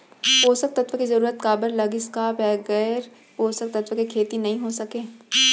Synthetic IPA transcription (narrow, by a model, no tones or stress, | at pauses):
poːsək̚t̪ɐt̪ʋkizɐɾuːɾət̪kaːbəɾlɐɡɪskabɛːɡɛːɾ | poːsək̚t̪ɐt̪ʋkekʰeːt̪inɐɦĩɦosɐkeː